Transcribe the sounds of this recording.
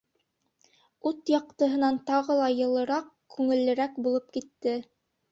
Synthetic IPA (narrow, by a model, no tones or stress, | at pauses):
ʉt̪jɑq̚t̪ɤ̆ɦɤ̆nɑnt̪ɑʁɤlˠɑjɤ̆lˠɤ̆ɾɑq | kʉŋɘ̆lːɘ̆ɾækbulˠɤp̚kit̪ːɘ